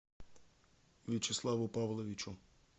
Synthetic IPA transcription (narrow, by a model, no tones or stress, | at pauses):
ʋʲit͡ʃeslˠaʋʊpaʋlˠɔʋʲit͡ʃʊ